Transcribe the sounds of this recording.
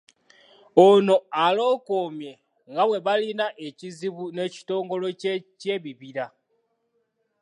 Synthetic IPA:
ono̞alo̞ːkoːmje̞ | ŋɡawe̞βalinaʔe̞ciziβune̞ːci̥to̞ːŋɡo̞lo̞cce̞ːβiβiɾa

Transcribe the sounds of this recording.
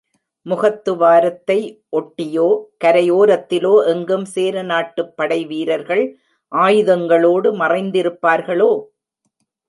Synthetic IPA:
mʊɣɐt̪ːɯʋaːɾɐt̪ːɐɪʔɔʈːɪjoːkɐɾɐjoːɾɐt̪ːɪloːʔɛŋɡɯmseːɾɐnaːʈːɯpːɐɽɐɪʋiːɾɐɾɣɐɭ | ʔaːjɯðɐŋɡɐɭoːɽɯmɐrɐɪnd̪ɪɾɯpːaːɾɣɐɭoː

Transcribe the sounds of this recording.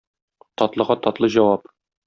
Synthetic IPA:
t̪ɒt̪lˠɤ̆ʁɑt̪ɒt̪lˠɤʑɒwɑp

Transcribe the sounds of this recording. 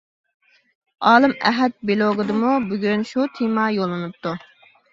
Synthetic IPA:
ɑːlˠɨmɛ̰ɦɛt̪̚belˠoɡɨd̪ɨmubyɡʲynʃut̪ʰemɑjolˠːɨnɨp̚t̪ʰu

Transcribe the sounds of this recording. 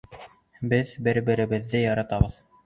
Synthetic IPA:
bɘðbɘ̆ɾbɘ̆ɾɘ̆βɘ̆ðːɘjɑɾɑt̪ɑβɤð

